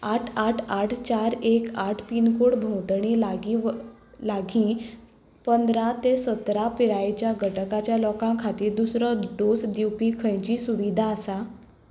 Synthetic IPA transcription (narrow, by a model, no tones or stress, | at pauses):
aʈʰaʈʰaʈʰt͡ɕaɾekaʈʰpinkoɽbʱõwt̪ɳ̃ilaɡi | laɡĩː | pənd̪ɾat̪esət̪ɾapiɾajt͡ɕjaɡʱəʈʰəkat͡ɕjalɔkãkʰat̪iːɾd̪usɾəd̪osd̪iwpiːkʰəjt͡ɕiːsuʋid̪ʱaəsa